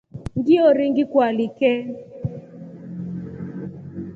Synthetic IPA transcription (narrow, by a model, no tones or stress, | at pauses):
ŋɡiɔɾiŋɡɪkwalikɛ